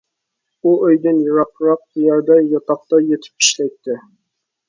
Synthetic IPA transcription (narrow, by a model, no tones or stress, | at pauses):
uʔɵjd̪ɨnjuɾɑqɾɑq̪̚jæɾd̪ɛjɑt̪ɑq̚t̪ɑjet̪ʰɪ̥p̚i̥ʃlɛjt̪ʰːɪ